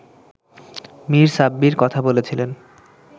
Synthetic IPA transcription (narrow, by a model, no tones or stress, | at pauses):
miɾsabːiɾkɔt̪ʰabolet͡ɕʰilen